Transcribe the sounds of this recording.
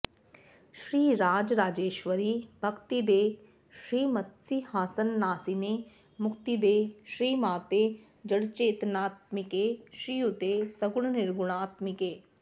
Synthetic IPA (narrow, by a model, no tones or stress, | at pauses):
ʃɾiːɾaːd͡ʒɾaːd͡ʒeːʃʋəɾiːbʱəkt̪id̪eː | ʃɾiːmət̪siːhaːsənːaːsineː | mʊkt̪id̪eːʃɾiːmaːt̪eː | d͡ʒəɽt͡ʃeːt̪naːt̪mɪkeːʃɾiːʊt̪eːsəɡʊɽnɪɾɡʊɽ̃aːt̪mɪkeː